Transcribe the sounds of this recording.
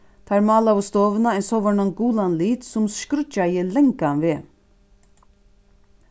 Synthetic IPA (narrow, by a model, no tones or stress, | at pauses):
t̪ʰaɾmɑːlawʊst̪oːvənaɛnsɔʋɔɳanɡuːlanliːt̪sʊmskɾʏt͡ʃajɪlɛŋkanveː